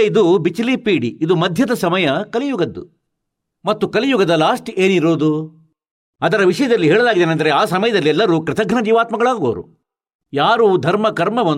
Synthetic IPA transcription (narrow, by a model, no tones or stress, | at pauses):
id̪ubit͡ʃliːpiːɽiid̪umɐd̪ʱjɐd̪ɐsɐmɐjɐkɐlijuɡɐd̪ːu | mɐt̪ːukɐlijuɡɐd̪ɐlaːʂʈeːniɾoːd̪u | ɐd̪ɐɾɐʋiʂɐjɐd̪ɐlːiɦɛːɭɐlaːɡid̪eːnɐnd̪ɐɾeaːsɐmɐjɐd̪ɐlːiɛlːɐɾuːkɾɪt̪ʰɐɡnɐd͡ʒiːʋaːt̪mɐɡɐɭaːɡo̰ːɾṵ | jaːɾuːd̪ʱɐɾmɐkɐɾmɐʋɐn